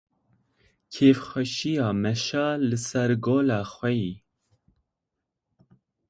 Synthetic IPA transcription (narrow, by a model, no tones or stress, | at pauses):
kʰeːfxʷɛʃijɑːmɛʃɑːlɨsɛɾɡoːlɑːxʷɛjiː